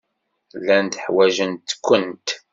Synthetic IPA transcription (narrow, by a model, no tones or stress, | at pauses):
lːænt̪əħwæʒənt̪kʷːənt̪